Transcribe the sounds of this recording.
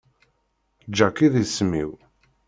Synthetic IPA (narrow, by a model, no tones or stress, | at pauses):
d͡ʒːækiðismḭw